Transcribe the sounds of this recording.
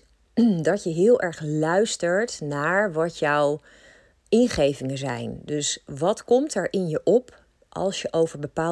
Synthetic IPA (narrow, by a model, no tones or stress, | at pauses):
dɑtjəɦɪːlˠʔɛɹχlœɥstəɹtnaːɹʋɑtjɔw | ɪnχejvɪŋənzɛ̰jndɵsʋɑtkɔmtɛɹʔɪnjəʔɔp | ʔɑ̰lˠsjəʔowvəɹbəpaː